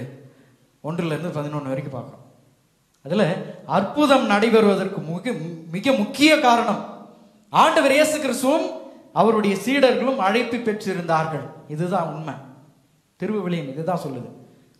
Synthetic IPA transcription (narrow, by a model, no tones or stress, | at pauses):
ɔndrɯlɐɾɯnd̪ɯpɐðɪnoːnːɯʋɐɾɪkːɯpa̰ːɾkɐõ̰ː | ɐðɪlɐɐrpʊðɐmnɐɽɐɪʋɐɾɯʋɐðɐrkɯmɯmɪɣɐmʊkːɪjɐkaːɾɐɳɐm | aːɳɖɐʋɐɾeːsɯkːɪɾɐsʊʋɐm | ɐʋɐɾɯɽɐjɐsiːɽɐɾɣɐɭɯmɐɻɐɪpːɯpːɛʈrɪɾɯnd̪aːɾɣɐɭɪðɯt̪ãːʊnmɛ | t̪ɪɾɯʋɯʋɪɭɐjɐmɪðɯt̪ãːsɔlːɐðɯ